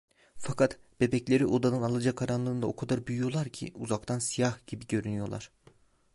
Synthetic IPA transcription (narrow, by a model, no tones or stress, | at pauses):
fakʰat̪b̥e̞bɛclʲe̞ɾiʔo̞d̪anɯnalˠɯd͡ʒakʰaɾanlˠɯnd̪ao̞kʰad̪aɾbyjyjo̞lˠaɾcʰḭʔuzakt̪ʰansijahɟibiɟø̞ɾynyjo̞lˠa̰ɾ̥